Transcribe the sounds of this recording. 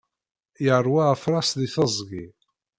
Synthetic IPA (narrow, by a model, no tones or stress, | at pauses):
jəɾˤwaəfɾˤɑsðiθəzˤɡi